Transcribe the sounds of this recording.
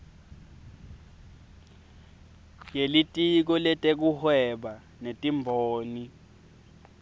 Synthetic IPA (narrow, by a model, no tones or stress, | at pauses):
jelitʼik̬ɔlɛtʼek̬uhwɛɓa | netʼimbʱoːni